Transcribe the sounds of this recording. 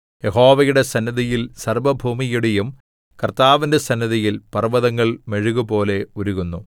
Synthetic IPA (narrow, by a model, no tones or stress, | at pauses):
jeɦo̞ːʋɐjuɽe̞sɐnːɐðijilsɐrʋɐbʱuːmijuɽejum | kɐrt̪aːʋinde̞sɐnːɐðijilpɐrʋɐðɐŋːɐɭme̞ɻuɣubo̞ːle̞uɾuɣunːu